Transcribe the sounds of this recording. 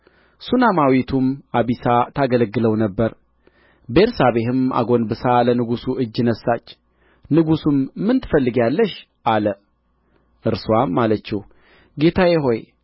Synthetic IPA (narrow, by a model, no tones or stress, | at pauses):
sunamawit̪ʰumaβisat̪ʰaɡələɡːɨləwnəbːəɾ | beɾsaβe̞ɦɨma̰ɡo̞nbɨsalənɨɡusuʔɨd͡ʒːɨnəsːat͡ʃː | nɨɡusummːɨnt̪ʰɨ̥fəlːɨɡjalːəʃ | ʔalə | ʔɨɾswamːalət͡ʃːɛw | ɡe̞t̪ʰajɛɦo̞j